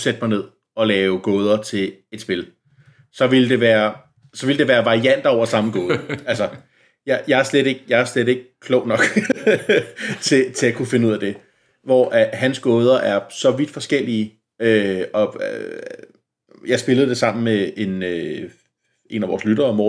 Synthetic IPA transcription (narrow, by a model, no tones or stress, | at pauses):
sed̥əmɑ̈ɪne̝ð̰ˠ | ɒ̽lɛːʊɡ̥ɔːð̞ˠɐt͡sʰe̝e̝d̥sb̥e̝l | sɒ̽ʋild̥e̝ʋæːɐ | sɒ̽ʋild̥e̝ʋæːɐʋɑ̈ʁiæn̰d̥ɐɒʊ̰ɐsɑ̈məɡ̥ɔ̽ːðˠɐælsɐ | jɑjɑ̈æɐsled̥e̝ɡ̥̚jɑ̈æɐslede̝ɡ̥əkʰlɔʊnɒ̽ɡ̥ | t͡sʰe̝t͡sʰe̝ækʰufe̝nəuð̰ˠɐd̥e̝ | ʋɒ̰ːʔæhænsɡ̥ɔ̽ːð̞ˠɐʔæɐsɒ̽ʋid̥fɒ̽sɡ̥el̰iː | øɒ̽ | jɑ̈ɪsb̥e̝ləð̞̩ˠd̥e̝sɑ̈m̰n̩mee̝nø | ʔe̝̰ːnæʋɒ̰ːslyɾɐɒmɒ̰